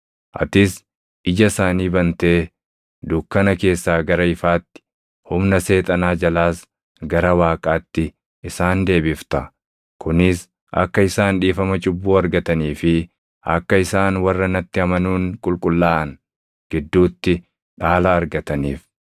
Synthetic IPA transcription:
ʔɐ̰t̪ɪs | ɪd͡ʒɐsaːniːbɐnt̪e̞ː | d̪ukːɐnɐke̞ːsːaːɡɐɾɐɪfaːt̪ːɪ̥ | hʊmnɐse̞ːt̪ʼɐnaːd͡ʒɐlaːs | ɡɐɾɐwaːkʼaːt̪ːɪ | ɪsaːnd̪e̞ːbɪft̪ɐ | kʊnɪs | ʔɐ̰kːɐɪsaːnᶑiːfɐmɐt͡ʃʼʊbːuːɐɾɡɐt̪ɐniːfɪ | ʔɐ̰kːɐɪsaːnwɐrːɐnɐt̪ːɪɐmɐnuːŋkʼʊlkʼʊlːaːʔɐn | ɡ̥ɪd̪ːuːt̪ːɪ | ᶑaːlaːɾɡɐt̪ɐniːf

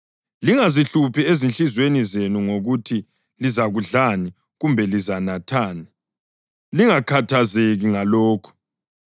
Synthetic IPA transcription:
liŋaziɬupʰɛezint͡ɬizwenizenuŋoɣutʰi | lizaɣuɮani | ɣumbʱɛlizanatʰaːni | liŋakʰatʰazeɣiŋalɔːkʰɔ̥

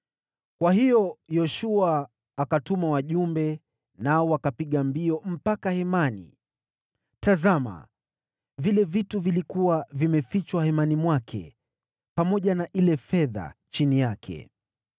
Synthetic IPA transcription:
kwaɦijɔjɔʃuaː | katumawaʄumbɛ | naɔwakapiɠambiɔm̩pakahɛmanḭ | tazama̰ | vilɛvituvilikuwavimɛfit͡ʃwahɛmanimwakʰɛ̰ | pamɔʄanaʔilɛfɛða̰t͡ʃinijakʰɛ̰

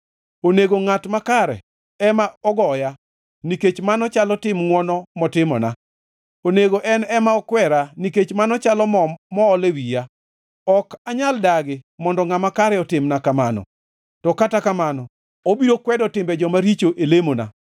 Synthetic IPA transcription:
oneɡoŋatmakaɾɛ̰ | ɛmaɔɡɔja | niket͡ʃmanɔt͡ʃalɔtɪmŋwɔnɔmɔtɪmɔ̰na̰ | oneɡoʔɛnɛmaɔkwɛɾaniket͡ʃmanɔt͡ʃalɔmɔːlewija | ɔkaɲaldaɡɪmɔndɔŋamakaɾɛɔtɪmnakamanɔ̰ | tɔkatakamanɔ | obiɾokwɛdɔtɪmbɛd͡ʒɔmaɾit͡ʃoʔelemona̰

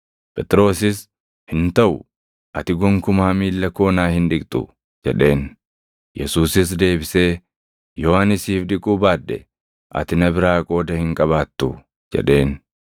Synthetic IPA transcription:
pʼɛt̪ʼɾo̞ːsɪs | hɪnt̪ɐʔʊ | ʔɐt̪ɪɡɔŋkʊmaːmiːlːɐko̞ːnaːhɪnᶑɪkʼt̪ʼʊ̰ | d͡ʒɛᶑe̞ːn | jɛsuːsɪs̬d̪e̞ːbɪse̞ː | joːanɪsiːfᶑɪkʼuːbaːd̪ːɛ | ʔɐ̰t̪ɪnɐbɪɾaːkʼo̞ːd̪ɐhɪŋkʼɐβaːt̪ːʊ | d͡ʒɛ̰ᶑe̞ːn

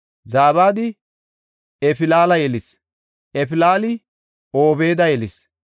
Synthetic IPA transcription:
zaːbaːd̪ɪ | ɛpɪlaːlɐjɛlɪs | ʔɛpɪlaːlɪ | oːbe̞ːd̪ɐjɛlɪs

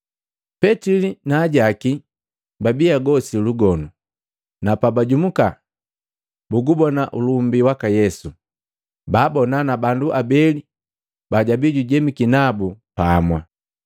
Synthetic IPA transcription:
pɛtilinaːɟaki | babiaɡɔsiluɡɔnu | napabaɟumuka | buɡubɔnaʔulumbiwakajɛsu | baːbɔnanabanduʔabɛli | baɟabiɟuɟɛmikinabupaːmwa̰

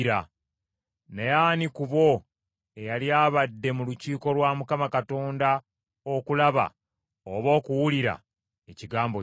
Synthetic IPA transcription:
ɾa | nejaːnikuβo̞ | e̞jaljaːβadːe̞muluciːko̞lwaːmukamakato̞ːnda | okulaβa̰ | oβo̞ːkuwuliɾa̰ | eciɡaːmbo

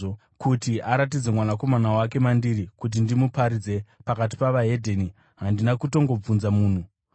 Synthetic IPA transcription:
o | kutiʔaɾat̬id͡zemwanako̞manawake̞mandiɾikut̬indimupaɾid͡ze̞pakat̬i̥paʋaɦe̞dʱeni | ɦandinakuto̞ŋɡo̞b͡vunzamuːn̤u

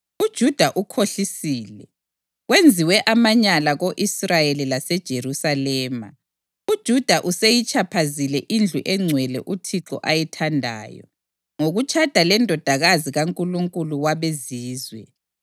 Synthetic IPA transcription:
ud̥ʒ̥ʱud̥ʱaʔukʰoɬisiːlɛ | ɣwend͡zʱiwɛʔamaɲalaɣoʔisrajelilasɛd̥ʒ̥ʱerusalɛːma̰ | ud̥ʒ̥ʱud̥ʱaʔusejit͡ʃʼapʰazilɛʔind͡ɮʱuʔɛŋ͡ǀʱwɛlɛ̰ʔutʰiǁɔ̰ʔajɛtʰandʱa̰ːjɔ̰ | ŋoɣut͡ʃʼʰad̥ʱalɛndʱɔd̥ʱaɣaziɣaŋkʼuluŋkʼuluwaβeziːzwɛ

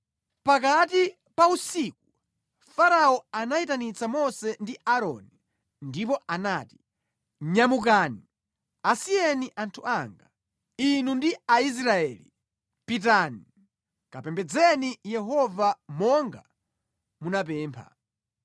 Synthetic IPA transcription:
pak̬ati | pausik̚u | faɾaɔanaitanit͡samɔsɛndiaɾɔ̰ni | ndip̬ɔanaːti̥ | ɲamuk̬aːni | asiɛniʔantʰuʔaŋɡa | inundiais̬ɾaɛːli | pit̬ani | kapɛmbɛd͡zɛnijɛɦɔvamɔŋɡa | munap̬ɛːmpʰa̰

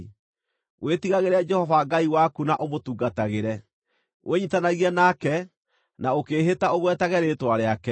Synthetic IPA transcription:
wʔetiɣaɣeɾead͡ʒɛhɔvaɡaiwakunaʔomotuːɡataɣeɾɛ | wʔeɲitanaɣianakɛ | naokeːɦetaoɣwɛtaɣɛɾetwaɾeakɛ

